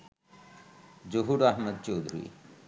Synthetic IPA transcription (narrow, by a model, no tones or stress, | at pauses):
d͡ʒoɦuɾaɦməd̪̚t͡ʃowd̪ʱuɾḭ